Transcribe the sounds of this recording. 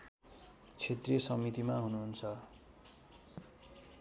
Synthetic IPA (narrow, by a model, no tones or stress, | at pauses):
t͡sʰet̪riesʌmit̪imaɦunuɦunt͡sʰʌ